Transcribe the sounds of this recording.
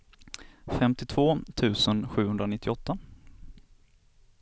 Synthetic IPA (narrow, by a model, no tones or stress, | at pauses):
fɛmt̪ɪt̪ʰv̥oːt̪ʰʉ̟ːsənɧʉ̟ːhɵnd̪ɾanɪt̪ʰːɪɔt̪ʰːa